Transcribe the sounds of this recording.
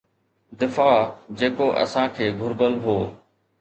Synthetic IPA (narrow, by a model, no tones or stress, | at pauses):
d̪ɪfaːd͡ʑeːkoːʔə̰sãkʰeːɡʱʊɾbəlɦoː